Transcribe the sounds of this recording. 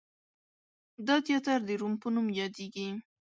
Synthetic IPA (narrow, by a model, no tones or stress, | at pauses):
d̪ɑt̪jɑt̪aɾd̪əɾumpənumjɑd̪eɡi